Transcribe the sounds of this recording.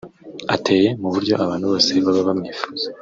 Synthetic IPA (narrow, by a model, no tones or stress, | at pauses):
atʰe̞ːje̞muβuɾɟo̞ʔaβaːn̥huβo̞ːse̞βaβaβamɲiːfu̥ːz̥a